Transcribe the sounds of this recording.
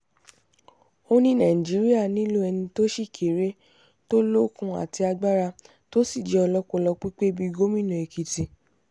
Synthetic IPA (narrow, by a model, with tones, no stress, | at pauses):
o˧nĩ˦nã˨ĩ˨d͡ʒi˨˦ɾi˦a˦˨nĩ˦lo˦ɛ˧nĩ˧to˦ʃi˦˨kʰe˨ɾe˨˦ | to˦lo˦kũ˧a̰˨ti˧a˧ɡ͡ba˦ɾa˧ | to˦si˦˨d͡ʒɛ˨˦ɔ˧lɔ˦ko˧lɔ˧k͡pi˦k͡pe˦bi˧ɡo˦mĩ˦˨nũ˨e˨ki˨ti˧